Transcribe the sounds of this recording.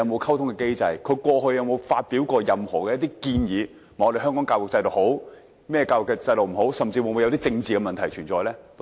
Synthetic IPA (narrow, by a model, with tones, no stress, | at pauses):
ɐ˨˧wmo˨˧wkʰɐ˥wt̪ʰʊ˥ŋkɛː˧ke˥jt͡sɐ˧jkʰɵ˨˧ɥkʷɔː˧hɵ˧ɥjɐ˨˧wmo˨˧wfaː˧t̚piː˨˥wkɔː˧jɐ˨mhɔ̰ː˨˩kɛ˧jɐ˥t̪i˥kiː˧njiː˨˧ | m̩˨˩˨ɔː˧de˨˩ɦœː˥ŋkɔː˨˥ŋkaː˧wʊ˨k̚t͡sɐ˧jlo˨˩who˨˥w | mɛː˥ɛ˧kaː˧wʊ˨kːɛ˧t͡sɐ˧jlo˨wm̩˨˩ɦo˨˥wsɐ˨mt͡siː˧wʊ˨˧mu˨˧jɐ˧wt̪̬iː˥t͡sɪ˧ŋt͡siː˨kɛ˧mɐ˨nt̪ʰɐ˨˩jt͡ʃʰyː˨˩nt͡sɔː˨jlɛː˥